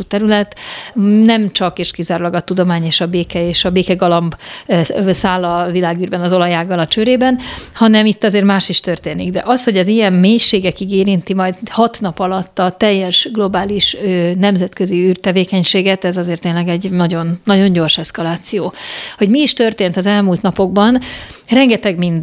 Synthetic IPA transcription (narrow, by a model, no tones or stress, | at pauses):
ut̪ɛɾylɛt̪nɛmt͡ʃɒkeːʃkizaːɾulɒɡɒt̪ud̪o̞maːɲeːʃɒbeːkɛeːʃɒbeːkɛɡɒlɒmb | saːlːɒvilaːɡyːrbɛnɒzo̞lɒjaːɡɒlɒt͡ʃøɾeːbɛnhɒnɛmit̪ːɒzeːrmaːʃiʃt̪ørt̪eːniɡd̪ɛ̰ʔɒsho̞ɟɛzijɛmmeːɲʃeːɡɛkiɡeːɾint̪imɒjd̪hɒt̪nɒpɒlɒt̪ːɒt̪ɛjːɛʃɡlo̞baːliʃønɛmzɛt̪køziyːrt̪ɛveːkɛɲʃeːɡɛt̪ɛzɒzeːrt̪eːnlɛɡɛɟnɒɟo̞nːɒɟo̞ɲɟo̞rʃɛskɒlaːt̪sijoːho̞ɟmiːʃt̪ø̞rt̪eːnt̪ɒzɛlmuːlt̪nɒpo̞ɡ̚bɒnrɛŋɡɛt̪ɛɡmind̪